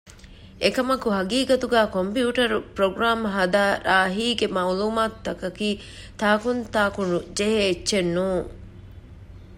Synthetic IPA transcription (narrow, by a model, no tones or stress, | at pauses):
ʔekɐmɐkuɦɐɡiːɡɐt̪uɡæːkompjiuːʈɐɾupɾoɡɾaːmɦɐd̪aːɾaːɦiːɡemawluːmaːt̪ːɐkɐkiː | t̪aːkunt̪aːkunud͡ʒeɦeːtːʃenːuːŋ